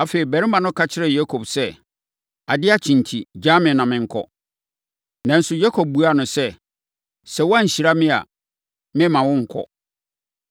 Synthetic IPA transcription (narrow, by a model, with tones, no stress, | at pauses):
a˨fe˨ɾi˨bɛ˨ɾɪ˦mã˨nʊ̃˦kʰa˦t͡ɕʰɪ˦ɾɛ˨ja˦kʰo˨bsɛ˦ | a˨dɪ˦a˦t͡ɕʰĩ˨ntʰi˨d͡ʑa˦mɪ̃˨nã˨mɪ̃˨ŋ̩˨kʰɔ̰˦ | nã˨n̩˦sʊ˨ja˦kʰo˨b̚bu˨˦a˦˨nʊ̃˨sɛ˦ | sɛ˦wɔ˦a˦ɲ̩˨ɕi˨ɾa˦mɪ̃˦a̰˨ | mɪ̃˦mã˨wʊ̃˦ŋ̩˨kʰɔ̰˨